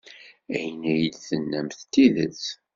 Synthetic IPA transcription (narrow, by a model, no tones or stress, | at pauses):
æjənæjəlθənːæmθt̪ːilət͡s